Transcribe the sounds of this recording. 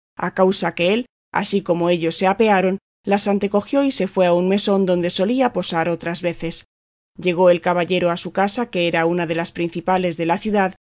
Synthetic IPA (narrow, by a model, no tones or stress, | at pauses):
a̰kawsake̞e̞l | a̰siko̞mo̞e̞ʎo̞sːe̞ape̞aɾo̞n | lasant̪e̞ko̞xjo̞ise̞fwe̞aunme̞so̞nd̪o̞nd̪e̞so̞liapo̞saɾo̞t̪ɾazβe̞θe̞s | ʎe̞ɣ̞o̞e̞lkaβaʎe̞ɾoasukasake̞eɾaunaðe̞laspɾinθipale̞zðe̞laθjuðað